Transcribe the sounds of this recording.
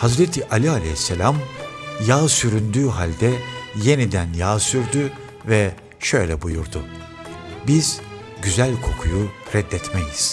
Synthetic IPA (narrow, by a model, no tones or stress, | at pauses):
hazɾet̪ʰiʔalʲialʲḛhisːelʲamjaːsyɾynd̪yːɦalʲd̪ɛje̞nid̪ænjaːsyɾd̪y | vɛ | ʃø̞jlʲɛbujuɾd̪ʊ | biz̥ | ɟyzælʲkʰo̞kʰujuɾɛd̪ːɛt̪mejiz̥